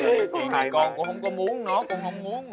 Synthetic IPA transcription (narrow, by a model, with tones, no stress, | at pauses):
i˨˩ma˨˩kɔ˧nkʊ̰˧˥ŋ͡mhə˧wŋ͡mkɔ˨˦mu˨˦ənnɔ˨˦kʊ̰˧˥ŋ͡mhə˧wŋ͡mmu˨˦ənm